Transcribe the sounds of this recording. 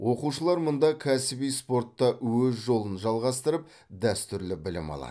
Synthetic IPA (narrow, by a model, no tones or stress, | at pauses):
wʔo̞quʃəlˠɑɾmʊnd̪ɑkʲʰæsɪbijspo̞rt̪ːɑwɵzʒo̞lˠənʒɑlˠʁɑst̪əɾəp̚ | d̪æst̪ʏɾlɪbɪlɪ̰mɑ̰lˠɑ̰